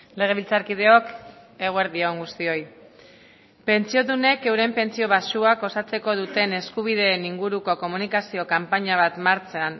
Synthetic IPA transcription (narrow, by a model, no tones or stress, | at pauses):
le̞ɣ̞e̞βilt͡saɾkið̞e̞o̞k | e̞ɣ̞oe̞ɾðioŋɡust̪io̞j | pe̞nt͡sio̞ðune̞ke̞wɾe̞mpe̞nt͡sio̞βasuako̞sat͡se̞ko̞ð̞ut̪e̞ne̞skuβ̞ið̞e̞ːniŋɡuɾuko̞ko̞munikasio̞kampaɲaβat̪maɾt͡sean